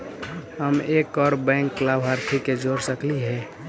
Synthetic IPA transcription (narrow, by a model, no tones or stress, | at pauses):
ɦəmekːɔɾbɛ̃ɪŋkːlabɦaɾt̪ʰiked͡ʒoɾsəkliɦɛ